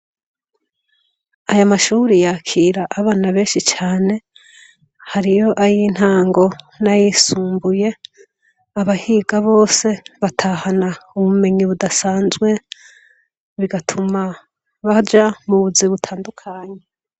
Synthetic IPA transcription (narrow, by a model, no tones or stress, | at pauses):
ajamaʃuːɾijakʰiːɾaʔːβaːnaβe̞ːnʃit͡ʃaːne̞ | haɾijo̞ʔajin̥haːŋɡo̞ | najiːsuːmbuje̞ | aβahiɡaβo̞ːse̞βatʰaːhanauβume̞ɲiβudasaːnzɡwe̞ | βiɡatʰuma | βad͡ʒamuβuziβutʰaːndukʰaːɲe